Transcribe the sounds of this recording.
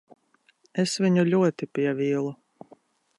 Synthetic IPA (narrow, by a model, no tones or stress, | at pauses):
esviɲuʎʲuɔt̪ipʲiɛviːlˠu